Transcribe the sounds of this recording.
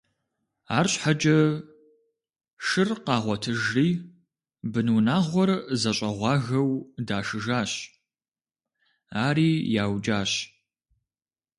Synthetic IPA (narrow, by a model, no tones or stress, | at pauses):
aːrɕħad͡ʒʼɐ | ʃɨrqɑːʁʷɔtʰɨʒiː | bɨnunaːʁʷɔrzɐɕʼɐʁʷɑːɣɐwdaːʃɨʒaːɕ | aːɾiːjaːwd͡ʒʼaːɕ